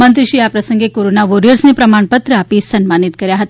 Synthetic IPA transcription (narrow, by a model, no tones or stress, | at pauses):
mənt̪ɾiɕiːjapɾəsəŋɡekoɾonaʋoɾijəɾsnepɾəmaɳpət̪ɾəapisənmanit̪kəɾjaɦət̪a